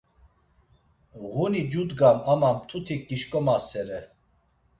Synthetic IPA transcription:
ɣunid͡ʒud̪ɡamamamt̪ʰut̪ʰik̚ːiʃkʼɔmasɛɾɛ

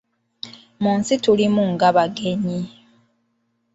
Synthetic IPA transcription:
muːnsitulimuŋɡaβaɡe̞ɲi

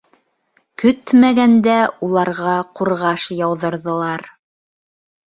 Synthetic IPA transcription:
kɵt̪mæɡænd̪æulˠɑɾʁɑquɾʁɑʃjɑwðɤ̆ɾðɤ̆lˠɑɾ

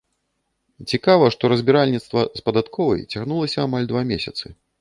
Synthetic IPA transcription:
t͡sʲikavɐʂt̪ɔɾɐzʲbʲiɾalʲnʲit̪st̪vɐspɐd̪at̪kʰɔvɐ̰jt͡sʲaɣnulˠɐsʲɐamalʲd̪vamʲesʲɐt̪sɨ

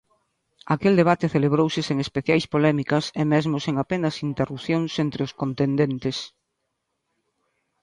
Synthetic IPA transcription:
akeld̪eβ̞at̪eθeleβ̞ɾowsɪseŋespeθjajspolɛmikɐsemɛzmoseŋapenɐsint̪erupθjoŋsent̪ɾeʊskont̪end̪ent̪es

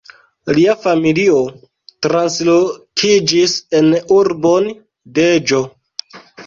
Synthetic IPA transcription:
liafamilio̞ | tɾanslokʰid͡ʒise̞nuɾbo̞n | ded͡ʒo̞

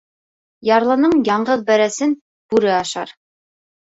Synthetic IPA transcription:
jɑɾlˠɤ̆nɤɴjɑɴɢɤðbæɾæsɘn | b̥ʉɾɘɑʃɑ̰ɾ

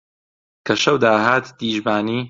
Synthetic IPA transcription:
kʰɐʃɐwd̪aːɦaːt̪d̪iːʒbaːniː

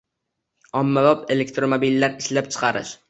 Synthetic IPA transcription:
ɒmːalɒpe̞le̞kt̪ɾomobilːaɾɪʃlap̚t͡ʃʰɨ̥qʰɑɾɪ̰ʃ

